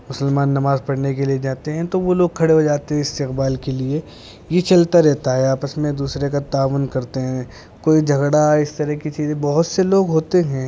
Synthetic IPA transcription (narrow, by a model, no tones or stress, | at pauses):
mʊsəlmaːnːɐmaːzpɐɽnekelied͡ʒaːt̪eɦɛ̃t̪oʋoloːɡ̚kʰɐɽeɦod͡ʒaːt̪eɦɛ̃ɪst̪ɪqbaːlkelie | jet͡ʃɐlt̪aɾɛɦt̪aɦɛaːpəsmẽd̪uːsɾekat̪aːʋʊnkɐɾt̪eɦɛ̃ | koːid͡ʒʱɐɡɽaɪst̪ɐɾəɦkit͡ʃiːzẽbɐɦʊt̪seloːɡɦoːt̪eɦɛ̃ː